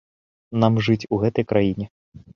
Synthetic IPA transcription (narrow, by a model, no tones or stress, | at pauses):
namʐɨt͡sʲuɣɛt̪ɐjkɾʔajinʲɛ